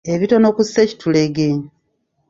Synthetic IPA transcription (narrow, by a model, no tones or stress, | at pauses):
e̞βito̞no̞kusːe̞ci̥tʰule̞ɡe